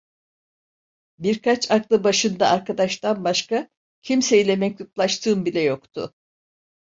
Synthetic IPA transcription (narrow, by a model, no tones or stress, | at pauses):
biɾkʰat͡ʃaklˠɯbaʃɯnd̪aːɾkad̪aʃt̪anbaʃka | cʰimse̞jilʲɛmɛc̚lʲuplˠaʃt̪ʰɯːmbilʲɛjo̞kt̪ʰʊ̰